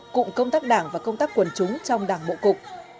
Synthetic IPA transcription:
kʊ̰˧˥ŋ͡mkə˧wŋ͡mt̪aː˦˥k̚ɗaː˧˩ŋvaː˨˩kə˧wŋ͡mt̪aː˦˥k̚ːwə˨˩nt͡ɕʊ˨˦ŋ͡mt͡ɕɔ˧wŋ͡mɗaː˨˩ŋɓo̰˧˨kʊ˨˩k͡p̚

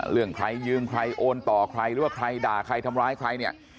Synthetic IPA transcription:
ɾɯ˥˩əŋkʰɾa˧jːɯː˧mkʰɾa˧jʔoː˧nt̪ɔː˨˩kʰɾa˧jɾɯː˦waː˥˩kʰɾa˧jdaː˨˩kʰɾa˧jt̪ʰa˧mɾaː˦˥jkʰɾa˧jni˥˩ə

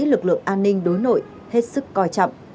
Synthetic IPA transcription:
lɨ˨˩k̚lɨ̰˧˨əŋʔaː˧nːï˧ŋ̟ɗo˨˦jno̰˧˨j | he˦˥t̚sɨ˦˥kːɔ˧˩jt͡ɕɔ̰˧˨wŋ͡m

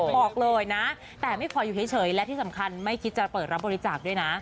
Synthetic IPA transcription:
bɔː˨˩k̚lɤː˧jna˦˥ | t̪ɛː˨˩ma˥˩jkʰɔː˧juː˨˩˨jt͡ɕʰɤː˩˦jlɛ˦˥t̪ʰiː˥˩sa˩˦mkʰa˧nma˥˩jkʰi˦˥t̪̚t͡ɕa˨˩pɤː˨˩t̪̚ɾa˦˥bɔː˧ɾi˦˥t͡ɕaː˨˩k̚du˥˩əjna˦˥ʔ

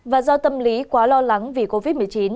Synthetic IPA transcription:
vaː˨˩zɔ˧t̪ə˧mli˨˦kwaː˨˦lɔ˧la˨˦ŋvi˨˩ko˧vi˦˥t̚mɨ˨˩əjt͡ɕi˨˦n

